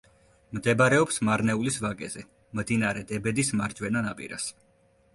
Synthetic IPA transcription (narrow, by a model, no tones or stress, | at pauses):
md̪ɛbɾɛɔpsmaɾnɛulisvakʼɛzɛ | md̪inaɾɛd̪ɛbɛd̪ismaɾd͡ʒwɛnanapʼḭɾa̰s